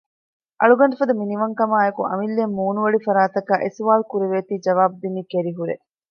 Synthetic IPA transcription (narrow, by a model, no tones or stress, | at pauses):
ʔɐ̰ɭuɡɐɳɖɐfɐd̪ɐminiʋɐŋkɐmaːekuʔɐ̰milːemːuːnuʋɐɭifɐɾaːt̪ɐkaːʔesuʋaːlkuɾeʋeːt̪iːd͡ʒɐʋaːbud̪inːikeɾiɦuɾḛ